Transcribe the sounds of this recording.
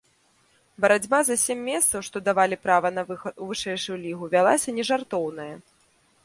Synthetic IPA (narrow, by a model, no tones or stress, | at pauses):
bɐɾad͡zʲbazɐsʲɛmʲːɛst̪sɐwʂt̪ɔd̪avalʲipɾavɐnɐvɨʂɛjʂujulʲiɣuvʲalˠasʲɐnʲɛʐart̪ɔwnɐjɐ